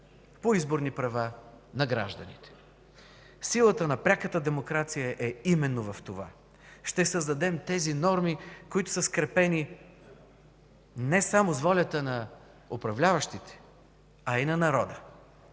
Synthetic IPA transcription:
poizboɾnipɾɐva | nɐɡɾa̰ʒd̪ənḭt̪ɛ̥ | silˠət̪ənɐpɾʲakət̪əd̪ɛmokɾat̪sijəʔɛimɛnːovɐft̪ova̰ | ʃt̪ɛsəzd̪ɐd̪ɛmt̪ɛzinɔɾmikoit̪ʊ̥səskɾɛpɛni | nɛsamozvɔlʲət̪ənɐ | opɾɐvlʲavɐʃt̪it̪ɛ̥ | ɐinɐnɐɾɔd̪ə

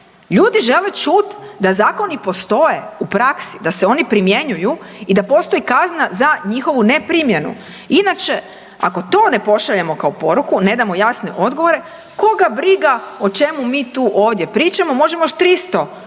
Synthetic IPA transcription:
ʎuːd̪iʒe̞le̞t͡ʃut̪d̪azaːko̞nipo̞st̪o̞je̞upɾaksi̥d̪aseo̞nipɾimje̞ɲuju | id̪apo̞st̪o̞ikaznazaɲixo̞ʋune̞pɾimje̞nṵ | inat͡ʃe̞ | a̰ko̞t̪o̞ːne̞po̞ʃaʎemo̞kaopo̞ɾukune̞d̪amo̞jasne̞̰ʔo̞d̪ɡo̞ʋo̞ɾe̞ | ko̞ɡabɾiɡao̞t͡ʃe̞mumiːt̪uːʔoːʋd̪je̞pɾiːt͡ʃamo̞mo̞ʒemojoʃt̪ɾist̪o̞

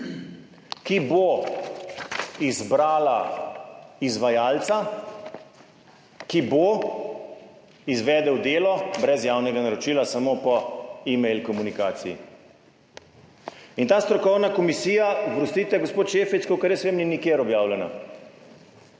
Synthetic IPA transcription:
kibo | izbɾaːla | izʋajaːlt̪sa | kibo | izʋɛːd̪ɛwd̪eːlɔbɾɛzjaːwnɛɡanaɾɔt͡ʃiːlasamoːpɔimɛjlkɔmunikaːt̪sijḭ | int̪aːst̪ɾɔkɔwnakɔmisiːjaɡɾust̪iːt̪ɛɡospoːt̪ʃeːfit͡ʃ̪kokɛɾjɛsʋeːmninikjeːɾɔbjaːwlɛna̰

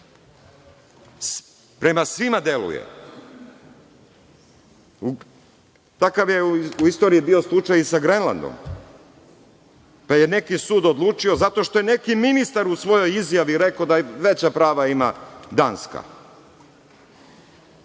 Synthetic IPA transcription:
pɾe̞masʋimad̪e̞lṵjḛ | t̪akaʋjeuist̪o̞ɾiibio̞slˠut͡ʃajisaɡɾenlˠa̰nd̪o̰m | paje̞ne̞kisuːd̪od̪lˠuːt͡ʃio̞zat̪o̞ʃt̪o̞jene̞kiminist̪aɾusʋo̞jo̞jizjaʋiɾe̞kod̪aʋe̞t͡ɕapɾaːʋaima̰d̪aːnska̰

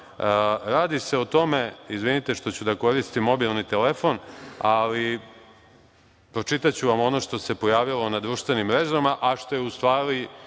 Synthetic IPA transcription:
ɾaːd̪ise̞ot̪o̞me̞izʋinit̪e̞ʂt̪o̞t͡ɕud̪ako̞ɾist̪imo̞bilˠnit̪elefo̞nali | pɾo̞t͡ʂit̪at͡ɕuʋamo̞no̞ʂt̪o̞se̞po̞jaːʋilˠo̞nad̪ɾuːʃt̪ʋe̞nimːɾeʒamaʔaʂt̪o̞jeust̪ʋaːɾi

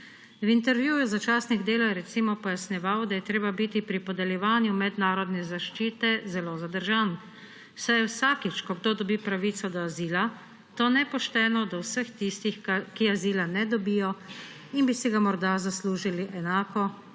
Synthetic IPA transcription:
wint̪ɛɾʋjujuzat͡ʃaːsniɣd̪eːlɔjɛɾɛt̪siːmɔpɔjasnɛʋaːwd̪ajɛt̪ɾeːbabit̪ipɾipɔd̪ɛljɛʋaːnjumɛd̪naːɾɔd̪nɛzaʃt͡ʃiːt̪ɛzɛlozad̪əɾʒaːn | sajɛwsaːkit͡ʃkɔɡd̪oːd̪ɔbiːpɾaʋit̪sɔd̪ɔaziːla | t̪onɛpɔʃt̪ɛːnɔd̪awsəxt̪ist̪ixkiaziːlanɛd̪ɔbiːjɔ | inbisiɡamɔɾd̪azasluːʒiliʔɛnaːkɔ

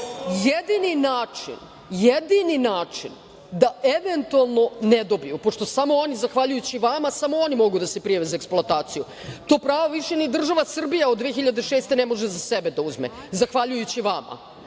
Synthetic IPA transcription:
jed̪ininaːt͡ʂḭn | jed̪ininaːt͡ʂḭn | d̪aeʋent̪ualˠno̞ned̪o̞bijupo̞ʂt̪o̞samo̞onizaxʋaʎujut͡ɕiʋamasamoonimo̞ɡud̪ase̞pɾijaʋezaeksploat̪aːt̪siju | t̪o̞ːpɾaːʋoʋiʃenid̪r̩ʒaʋasr̩bijaod̪ːʋeːxiʎad̪e̞ʃeːst̪e̞nemo̞ʒezasebe̞d̪auzmḛ | zaxʋaʎujut͡ɕiʋama̰

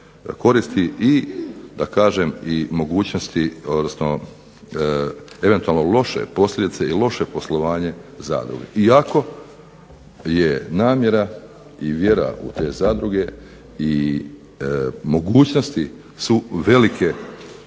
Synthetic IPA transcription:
ko̞ɾist̪iʔid̪akaːʒemimo̞ɡuːt͡ɕno̞st̪io̞d̪nosno̞ | e̞ʋe̞nt̪ualnolo̞ʃḛpo̞slʲjʲe̞d̪it̪seilo̞ʃe̞po̞slˠo̞ʋaːɲe̞za̰ːd̪ɾṵɡḛiako̞ | jenaːmje̞ɾa | iʋje̞ɾa̰ṵt̪e̞ːzaːd̪ɾuɡe̞ | i | mo̞ɡuːt͡ɕno̞st̪i | suʋe̞likʰe̞

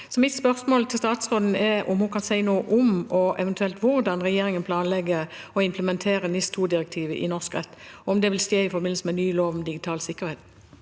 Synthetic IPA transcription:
sɔmɪt̪spœʁsmoːlt̪ʰɪlst̪ɑːt̪sʁoːd̪n̩ɛɔ̰mhʊnkʰɑnsæɪnoːʔɔmɔʔɛʋɛnt̪ʉɛlt̪ʋʊʁd̪ɑnʁɛjeːɾɪŋənpʰlɑːnlɛɡəɔɪmpʰləmɛnt̪ʰeːɾənɪst̪ʰuːd̪ɪʁɛkt̪ʰiːʋə̰ʔɪ̰nɔʁskʁɛt̪ːɔɔmd̪ɛʋɪlst̪eːɪfɔbɪnl̩səmɛnyːloːʋmd̪ɪɡɪt̪ʰɑːlsɪkːəʁheːt̪

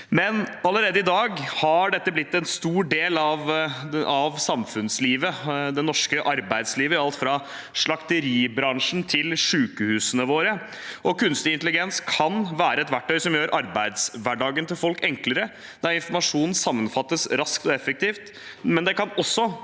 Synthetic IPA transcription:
mɛnɑləɾeːd̪əɪd̪ɑːɡhɑɖɛt̪ːəblɪt̪ːɛnst̪uːɖeːlɑʋ | ɑʋsɑmfʉnsliːʋəd̪ɛnɔʂkəʔɑɾbæɪd̪sliːʋəɑlt̪fɾɑ | ʂɭɑkt̪əɾiːbɾɑŋʂn̩t̪ʰɪlʂʉːkəhʉːsənəʋoːɾə | ʔɔkʰʉnst̪ɪɪnt̪əlɪɡɛnskʰɑnʋæːɾəɛt̪ʋæʈːœʏsɔmjøːɾʔɑɾbæɪd̪sʋæɖɑːɡənt̪ɪlfɔlkɛŋkləɾə | d̪̥ɑɪnfɔɾmɑʂuːnn̩sɑmːənfɑt̪ːəsɾɑskt̪ɔɛfək̚t̪iːft̪ | mɛnd̪ɛkɑnɔsːɔ

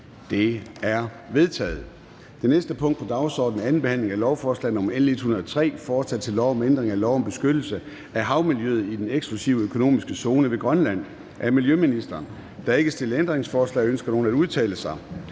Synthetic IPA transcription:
d̥e̝æɐ | ʋe̝ð̞ˠt͡sʰɛ̰ːð̩ˠ | d̥e̝nesd̥əpʰɔ̽ŋ̰d̥pʰɒd̥ɑ̈ʊsɒ̰ːd̥n̩æn̩b̥e̝hæn̰le̝ŋælɒʊfɒːslɛ̰ɪn̩ɔ̽mɐen̩e̝d̥hunɐðˠət͡sʰʁɛ̰ːfɒ̥ːsʰæd̥̚t͡sʰe̝lːɒʊɒ̽mend̥ʁeŋælɒʊ̰ɒ̽mb̥e̝sɡ̥ød̥l̩sə | ʔæɦɑ̈ʊmiljøð̩ˠid̥eneɡ̥sɡ̥lusiʊøkʰo̝no̝̰ːmisɡ̥əso̝ːnəʋe̝ɡ̥ʁɶnlæn̰ | ʔæɐmiljøminisd̥ɐːn | d̥ɑ̈e̝ɡ̥əsd̥e̝ləend̥ʁeŋsfɒːslɛ̰ɪønsɡ̥ɐno̝ːn̩æduð̞ˠt͡sʰɛ̰ːləsɑ̈ɪ

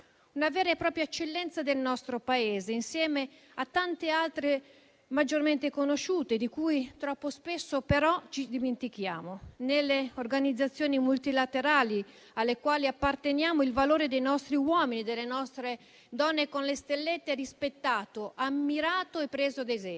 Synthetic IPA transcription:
unavɛːɾepɾɔːpɾjaet͡ʃːelːɛnt̪sad̪elnɔst̪ɾopaeːzeinsjɛːme | at̪ːant̪ealt̪ɾe | mad͡ʒːorment̪ekonoʃuːt̪ed̪ikuːjt̪ɾɔpːospesːopeɾɔt͡ʃid̪iment̪ikja̰ːmonelːeorɡanid̪zːat̪sːjoːnimult̪ilat̪eɾaːli | alːekwaːliapːart̪enjaːmoilvaloːɾed̪ejnɔst̪ɾiwɔːminid̪elːenɔst̪ɾe | d̪ɔnːekonlest̪elːet̪ːeɾispet̪ːaːt̪oʔamːiɾaːt̪oepːɾeːzod̪ezɛ

